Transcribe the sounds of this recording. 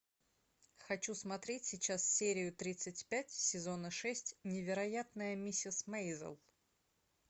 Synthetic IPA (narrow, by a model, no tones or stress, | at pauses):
xɐt͡ɕusmɐt̪ɾʲetʲsʲɪt͡ɕasfʲsʲeɾʲɪjʊt̪ɾʲit̪sɨtʲpʲætʲsʲɪzonəʂɛsʲtʲnʲɪvʲɪɾɐjat̪nəjəmʲisʲɪsmejzə̰lˠ